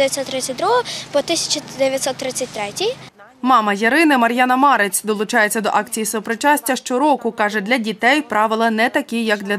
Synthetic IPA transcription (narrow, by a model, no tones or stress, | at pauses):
ɪʋʲjɐt̪ʲsɔt̪ːɾɪsʲɐt̚ʲd̪ɾuɦɔpɔt̪ɪsʲɐ̥t͡ʃɐd̪eʋʲjɐt̪ʲsɔt̪ːɾɪt͡sʲːɐt̚ʲt̪ɾɛtʲij | mɑmɐjɐɾɪnɪmɐɾʲjɑnɐmɑɾet͡sʲd̪ɔlˠʊt͡ʃɑjet͡sʲːɐd̪ɔʔɑk̚t͡sʲijisɔpɾɪt͡ʃɑsʲtʲːɐʃt͡ʃɔɾɔkʊkɑʒɛd̪lʲɐdʲit̪ɛjpɾɑʋɪlˠɐnɛt̪ɐkʲijɐɡd̪lʲɐ